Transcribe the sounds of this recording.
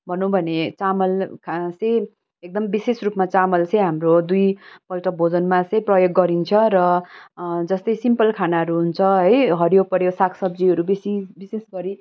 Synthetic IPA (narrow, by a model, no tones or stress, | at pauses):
bʱʌnũbʱʌnet͡samʌlkʰat͡sʌ̃j | ek̚d̪ʌmbisesrupmat͡samʌlt͡sʌj̃ɦamrod̪ujpʌlʈʌbʱod͡zʌnmat͡sʌj̃prʌjoɡːʌɾint͡sʰʌɾʌ | d͡zʌst̪ʌjsimpʌlkʰanaʌɾuɦunt͡sʰʌɦʌjɦʌɾijopʌɾjosakʰsʌbd͡ziɦʌɾubesibisesɡʌɾi